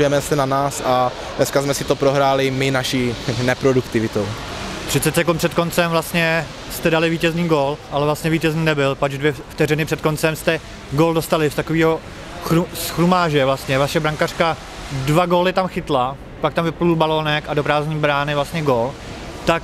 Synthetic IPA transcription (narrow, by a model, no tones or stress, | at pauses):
ujɛmɛsɛnanaːsa | dnɛskazmɛsɪt̪opɾoɦɾaːlɪmɪnaʃiːnɛpɾodukt̪ɪvɪt̪ow | p̪r̥ɪt̪t͡sɛt͡sɛkumpr̥ɛt̪kont͡sɛmvlast̪ɲɛ | st̪ɛdalɪviːcɛzniːɡoːlʔalɛvlast̪ɲɛviːcɛzniːnɛbɪlpad͡ʒdvjɛft̪ɛrɪnɪpr̥ɛt̪ko̞nt͡sɛmst̪ɛ | ɡoːldo̞st̪alɪft̪akoviːɦo̞ | xɾusxɾumaːʒɛvlast̪ɲɛvaʃɛbɾaŋkar̥ka | dvaɡoːlɪt̪amxɪt̪la | pak̚t̪amplulbaloːnɛkadopɾaːzɲiːbɾaːnɪvlast̪ɲɛɡo̞ːl | t̪ak